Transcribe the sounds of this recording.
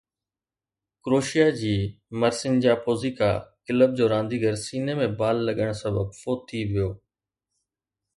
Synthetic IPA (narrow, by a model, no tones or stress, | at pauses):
kɾoːʃijad͡ʑiː | məɾsɪnd͡ʑaːpoːzika̰ːkɪləb̚d͡ʑoːɾãːnd̪iɡəɾsiːnemẽbaːlːɐɠəɽ̃sɐbəbfoːt̪ʰːiʋɪjoː